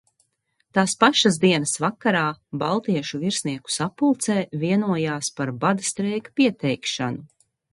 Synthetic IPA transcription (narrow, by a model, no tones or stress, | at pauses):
t̪aːspaʃazd̪iɛnɐsvakaɾaːbalˠt̪iɛʃuviɾsʲniɛku̥sapːulˠt̪sɛːviɛnuɔjaːspaɾbad̪ast̪ɾɛjkḁpiɛt̪ɛjkʃa̰nu